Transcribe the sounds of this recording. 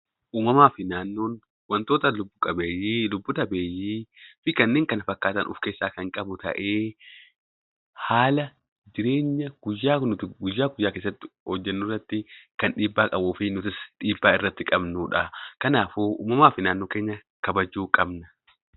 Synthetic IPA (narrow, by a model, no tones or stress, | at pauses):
ʔuːmɐmaːfɪnaːnːo̞ːn | wɐnt̪oːt̪ɐlʊbːʊkʼɐbeːjilʊbːʊt̪ɐbeːjːiːfɪkɐnːeːŋkɐnɐfɐkːaːt̪ɐnʔʊ̰fke̞ːsːaːkɐŋkʼɐbʊt̪ɐ̰ʔe̞ː | haːlɐ | d͡ʒɪɾe̞ːɲːɐɡ̥ʊjːaːnʊt̪ɪɡʊjːaːɡʊjːaːkeːs̬ːɐt̪ːɪhɔd͡ʒːɛnːuːrːɐt̪ːɪkɐnᶑiːbːaːkʼɐbuːfɪnʊt̪ɪsᶑiːbːaːɪrːɐt̪ːɪkʼɐbnuːᶑɐkɐnaːfuːʔṵːmɐmaːfɪnaːnːoːkeːɲːɐ | kɐbɐd͡ʒːuːkʼɐbnɐ̥